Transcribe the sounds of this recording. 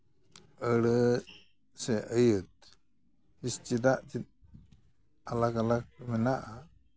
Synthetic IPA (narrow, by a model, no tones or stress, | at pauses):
əɽə | sɛʔəjət̪̚ | hist͡ʃid̪aʔt͡ʃit̪̚ | alakalak̚mɛnaʔa